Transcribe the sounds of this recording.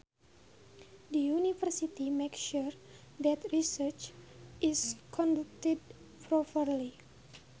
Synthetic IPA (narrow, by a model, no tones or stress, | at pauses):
dəjunifərsit̪imekʃuɾ | d̪ɛt̪ɹisərt͡ʃʔiskʰɔ̃ndak̚tɛd̚ | pʰɾɔpərli